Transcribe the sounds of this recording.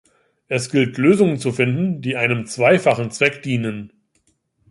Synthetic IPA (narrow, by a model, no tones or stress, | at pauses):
ʔɛsɡ̥ɪltʰløːzʊŋənt͡sufɪndn̩diːʔaɪnəmt͡sv̥aɪfaχn̩t͡sv̥ɛkd̥iːnən